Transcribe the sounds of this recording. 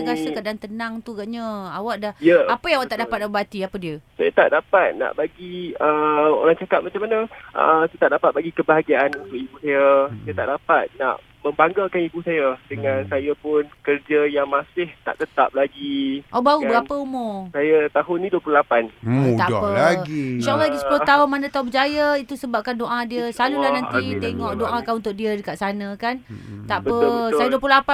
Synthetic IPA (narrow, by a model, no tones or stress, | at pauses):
ɡasəkadant̪ənãŋt̪uɡaʔɲəawaʔdahjəapəjãawaʔt̪aʔdapat̪̚nabat̪iapədiəsajat̪a̰ʔdapat̪̚na̰ʔbaɡiəo̰ɾaŋt͡ʃakat̪̚mat͡ʃamanəʔə̰sajat̪aʔdapat̪̚baɡikəbaɦaɡiaʔanunt̪ʊkibusajasajat̪a̰ʔdapat̪̚na̰ʔ | mə̃mbaŋɡalkanibusajadəŋãnsajapʊnkərd͡ʒəjaŋmãsɪht̪a̰ʔt̪ət̪ap̚laɡiʔobaɣuəɡapəumosajat̪aɦʊnːĩduəpululapant̪aʔdpəlaɡiʃaʔlːalaɡisə̥pulot̪aɦʊnmanə̃t̪aɦunbəd͡ʒajait̪usəbap̚kandoʔadiəslalulahnanit̪eŋɔʔdoʔakanunt̪ʊk̚diədəkaʔsanə̃kant̪aʔbəpəəsajaduəpululapa